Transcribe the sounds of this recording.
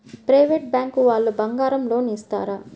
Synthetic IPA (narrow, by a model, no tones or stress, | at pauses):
pɾɐjʋeːʈ̚bjaːŋkuʋaːɭːubɐŋɡaːɾɐmlo̞ːniːst̪a̰ːɾa